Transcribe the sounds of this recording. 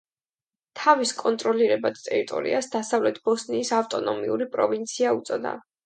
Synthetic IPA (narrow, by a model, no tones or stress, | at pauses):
t̪ʰaviskʼɔnt̪ʼɾɔliɾɛbad̪t̪ʼɛɾit̪ʼɔ̰ɾḭasd̪asavlɛt̪ʰbɔsniːsaft̪ʼɔnɔmiuɾipʼɾɔvint̪sʰiaut̪sʼɔd̪a̰